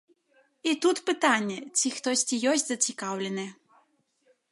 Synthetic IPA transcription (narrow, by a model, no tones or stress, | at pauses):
it̪ut̪pɨt̪anʲːɛt͡sʲixt̪ɔsʲt͡sʲijɔsʲtʲzɐt͡sʲikawlʲɛnɨ